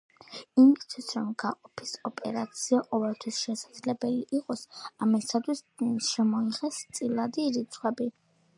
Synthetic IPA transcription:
imst̪ʰwisɾɔmɡaqʼɔpʰi̥sɔpʼɛɾat̪sʰiaqʼɔvɛlˠt̪ʰwisʃɛsad̪zlɛbɛliʔiqʼɔsamist̪ʰat̪ʰwisʃɛmɔiʁɛst̪sʼilˠad̪iɾit̪sʰχwɛbi

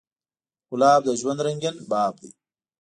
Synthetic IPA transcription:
ulaːb̚d̪ɐʒwɐnd̪ɾɐŋɡʲɐnbaːb̚d̪ḭ

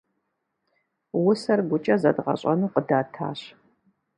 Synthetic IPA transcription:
wʊsɐrɡʷʊt͡ʃʼɐzɐ̰dʁɐ̰ɕʼɐnɨqədaːtʰa̰ːɕ

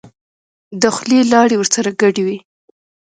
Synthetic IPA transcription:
d̪əxlelɑɽewəɾsaɾaɡaɖiwi

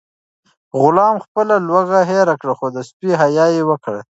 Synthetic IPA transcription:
ɣʊlɑmxpəlalwaɣaɦeɾakɽaxod̪əspiɦajɑjewəkɽa̰

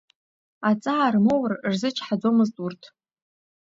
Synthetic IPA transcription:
at͡sʼaːrmowrrzɨt͡ʃʰħad͡zomɨztʼurtʰ

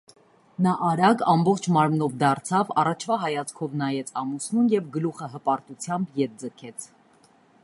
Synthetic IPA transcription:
nɑʔɑɾɑkɑmbɔχt͡ʃʰmɑɾmnɔvd̪ɑɾt͡sʰɑvɑ̰rɑt͡ʃʰvɑɦɑjɑt͡skʰɔvnɑjɛt͡sʰɑmusnunjɛvɡəluχəɦəpɑɾt̪ut͡sʰjɑmbjɛt̪̚d͡zəkʰɛt͡sʰ

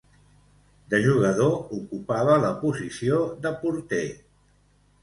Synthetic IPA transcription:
d̪əʒuɣəðoukupaβ̞ələpuzisioðəpuɾt̪e

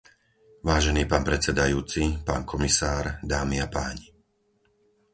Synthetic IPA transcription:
ʋaːʒɛniːpaːnpɾɛt͡sɛd̪ajuːt͡sipaːnkɔmisaːɾd̪aːmiapaːɲi

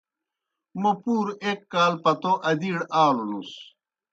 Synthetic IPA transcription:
mopuːɾekːaːlpɐt̪oʔɐd̪iɽaːlolus

